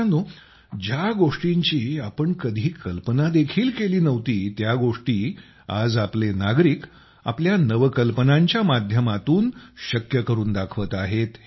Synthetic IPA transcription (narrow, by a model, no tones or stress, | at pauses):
nd̪o | d͡ʑjaɡoʂʈiɲt͡ɕiːapəɳkəd̪ʱiːkəlpənad̪ekʰiːlkeliːnəʋt̪iːt̪jaɡoʂʈiː | ad͡zaplenaɡɾiːk | a̰pljanəʋkəlpənãɲt͡ɕjamad̪ʱjəmat̪uːnɕəkjəkəɾuːnd̪akʰʋət̪aɦet̪